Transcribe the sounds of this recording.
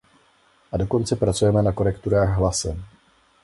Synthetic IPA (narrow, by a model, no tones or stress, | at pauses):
ʔado̞ko̞nt͡sɛpɾat͡sujɛmɛnako̞ɾɛkt̪uɾaːɣɦlasɛm